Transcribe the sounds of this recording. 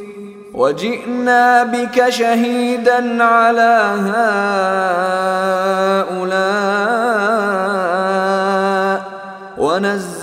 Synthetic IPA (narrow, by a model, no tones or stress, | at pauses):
wad͡ʒɪʔnaːbɪkaʃaɦiːd̪anʕalaːɦaː | ʔʊlaː | wʔanazː